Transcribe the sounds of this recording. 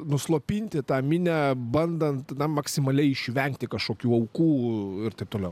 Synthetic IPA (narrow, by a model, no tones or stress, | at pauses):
nʊslˠoːpʲinʲt̪ʲɪt̪ɑːmʲɪnʲæbɐnd̪ɐnt̪nɐmɐksʲɪmɐlʲɛɪɪʃʲʋʲɛŋkt̪ʲɪkɐʃkoːkʲuːɐʊkuːɪɾt̪ɐɪp̚t̪oːlʲɛʊ